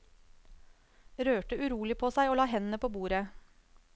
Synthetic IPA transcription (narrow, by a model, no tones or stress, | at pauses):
ɾøːʈəʔʉɾuːlɪpʰoːsæɪoːlɑːɦɛnnəpʰoːbuːɾə